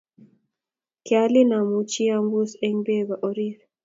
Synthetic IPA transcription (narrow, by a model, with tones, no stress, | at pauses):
kja˦li˦na˨mu˨t͡ʃi˦a˦mbu˦sɛ˦ŋbe˦ba˨ʔo˨ɾi˦ɾ